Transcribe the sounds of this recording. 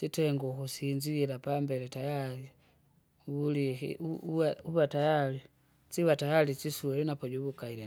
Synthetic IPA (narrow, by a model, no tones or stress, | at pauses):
sitɛŋɡɔkusiɲd͡ʒilapambɛlɛtajali | wulihḭuwauβatajali | siβatajalit͡ʃisuɛlɛnapɔɟuβukailɛ